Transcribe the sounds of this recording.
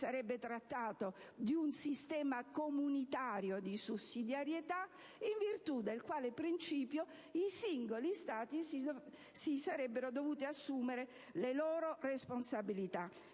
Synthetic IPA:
saɾɛbːet̪ɾat̪ːaːt̪od̪iunsist̪ɛːmakomunit̪aːɾjod̪isusːid̪jaɾjet̪a | iɱvirt̪ud̪elkwaːlepɾint͡ʃiːpjo | isiŋɡolist̪aːt̪isi | sisaɾɛbːeɾod̪ovuːt̪iasːuːmeɾe | lelɔːɾoresponsabilit̪a

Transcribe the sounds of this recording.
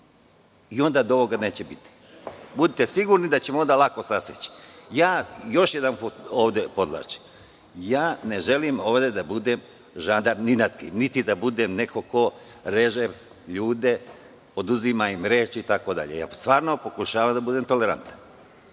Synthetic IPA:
io̞nd̪ad̪oo̞ʋo̞ɡane̞ːt͡ɕebit̪i̥ | bud̪it̪e̞siɡuɾnid̪at͡ɕemoond̪alako̞saset͡ɕi̥jaːjo̞ʃje̞d̪anputoːʋd̪e̞po̞d̪lˠa̰ːt͡ʃi̥ | jaːne̞ʒe̞limo̞ːʋd̪e̞d̪abud̪eːm | ʒand̪aɾninat̪kḭːmnit̪id̪abud̪emne̞koko̞ | ɾe̞ʒe | ʎuːd̪e̞ | o̞d̪uzimaimɾeːt͡ʃit̪ako̞d̪a̰ʎḛja̰ːst̪ʋaːɾno̞po̞kuʃaːʋamd̪abud̪e̞ːmt̪o̞leɾa̰nt̪ḁn

